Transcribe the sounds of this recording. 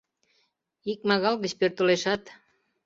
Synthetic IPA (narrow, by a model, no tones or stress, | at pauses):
ik̚mɑɣɑlɡəɕpert̪oleʃɑt̪